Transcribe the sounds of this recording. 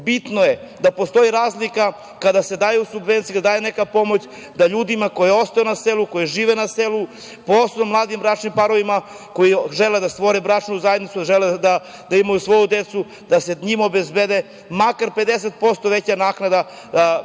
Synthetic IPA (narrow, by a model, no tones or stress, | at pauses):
bit̪noje | d̪apo̞st̪o̞jiɾaːzlika | kad̪ase̞d̪aːjusubʋent̪sijud̪ad̪aːjenekapo̞mo̞t͡ɕ | d̪aʎuːd̪imako̞jeo̞st̪ajonaseluko̞jiʒiːʋenaselu | poosomlˠaːd̪imbɾat͡ʃnimpaɾo̞ʋima | ko̞jiʒeled̪ast̪ʋo̞ɾebɾat͡ʃnuzajed̪nit̪suʒeled̪a | d̪aimajusʋo̞jud̪et̪su | d̪aseɲimo̞bezbed̪e | makaɾped̪es̬et̪̚po̞st̪oʋet͡ɕanaːknad̪a